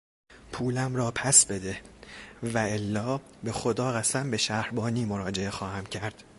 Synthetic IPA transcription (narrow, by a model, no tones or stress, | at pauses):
pʰuːlæmɾɒːpʰæsbe̞d̪e | væelːɒː | be̞xo̞d̪ɒːɣæsæmbe̞ʃæhɾbɒːniːmo̞ɾɒːd͡ʒe̞e̞xɒːhæmcʰæɾd̪̥